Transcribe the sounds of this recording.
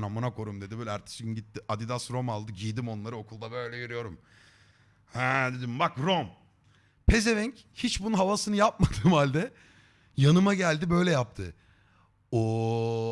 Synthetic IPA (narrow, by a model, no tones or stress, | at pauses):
namunakʰo̞ɾumd̪e̞d̪ibøːlʲɛæɾt̪ʰi̥ʃiimɟit̪ːiʔad̪id̪asɾo̞malˠd̪ɯɟijd̪imo̞nlˠaɾɯo̞kʰulˠd̪abø̞jlʲɛjeɾijo̞ɾum | hɛd̪e̞d̪imbakɾom | pʰe̞zevɛɲchit͡ʃbununɦavasɯnɯjap̚mad̪ɯmhalʲd̪ɛ | janɯmaɟælʲd̪ibø̞jlʲɛjap̚t̪ʰɯ | o